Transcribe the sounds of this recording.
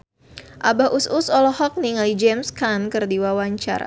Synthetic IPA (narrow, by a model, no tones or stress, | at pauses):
ʔabaɦʔususɔlɔhɔk̚niŋalid͡ʒɛmskankɨrdiwawaɲt͡ʃa̰ɾa̰